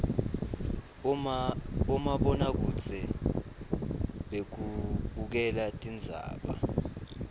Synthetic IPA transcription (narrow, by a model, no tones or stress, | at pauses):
umaɓɔnak̬ut͡sʰɛ | ɓek̬uɓuk̬ɛlatʼind͡zʱa̰ːɓa̰